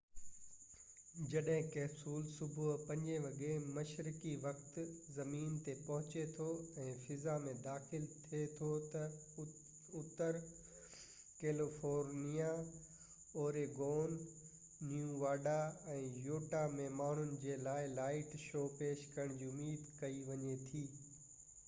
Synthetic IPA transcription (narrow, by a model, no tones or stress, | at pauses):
d͡ʑɐɗɦɪ̃kɛːsuːlsʊbʱʊɦpɐ̃ɲd͡ʑeʋɐɠemɐʃɾɪkiʋɐkt̪zɐmiːnt̪epɐɦʊt͡ɕet̪ʰoɛ̃ːfɪzamẽd̪aːxɪlt̪ʰiet̪ʰot̪ɐ | ʊt̪əɾ | keːlɪfoːɾnija | oːɾeːɡoːnː | jũʋaːɖaɛ̃ːjoːʈamẽmaːɳ̤ʊnɪ̆d͡ʑeːlaːɪlaːɪʈʃoːpeːʃkɐɾəɽ̃d͡ʑiːʊmiːd̪kɐiʋɐɲet̪ʰiː